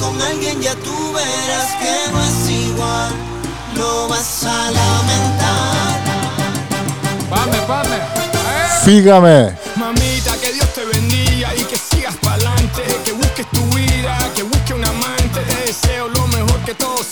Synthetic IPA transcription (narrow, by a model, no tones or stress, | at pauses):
koŋalɡjend͡ʒat̪uβeɾaskenoesiɣwal | loβasalamẽnt̪aɾ | paðepaðɾeepiɣame | mãmit̪akeðjost̪eβend̪iɣaikesiɣaspalant̪ekeβuhkest̪uβiðakeβuhkeunamãnt̪eʔeseolomehoɾket̪oðo